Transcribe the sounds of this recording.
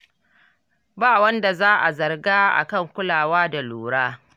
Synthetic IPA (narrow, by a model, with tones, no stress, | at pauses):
baː˦˨wɐ˦nda˨zaː˦ʔa̰˨zɐ˨rɡaː˦ʔa̰˨kɐ˦˨ŋkʷʊ˦laː˨waː˦da˨luː˨ɽaː˦